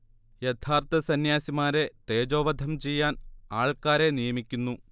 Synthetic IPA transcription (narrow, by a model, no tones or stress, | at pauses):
jet̪ʰaːrt̪ɐsɐnjaːsimaːɾe̞t̪eːd͡ʑo̞ːʋɐd̪ʱɐmt͡ɕe̞jːaːnaːɭkaːɾe̞nijɐmikʲːunːu